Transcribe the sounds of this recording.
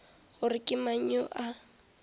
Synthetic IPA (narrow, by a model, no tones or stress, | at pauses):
ɣʊrɪkʼɪmaɲ̩ɔʔa